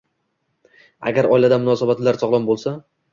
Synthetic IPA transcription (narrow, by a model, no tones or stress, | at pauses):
a̰ɡʲaɾɒjlad̪amʊnɒsabat̪laɾsɒʁlˠɒmbolˠsa